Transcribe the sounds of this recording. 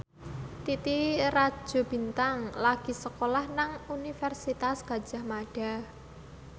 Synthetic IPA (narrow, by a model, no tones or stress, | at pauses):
t̪it̪irḁʒ̥o̤b̥i̤nt̪aŋlaɡ̥i̤səkolahnaŋunifɛrsit̪asɡ̥a̤̥d͡ʒ̥a̤hmaɖ̥a̤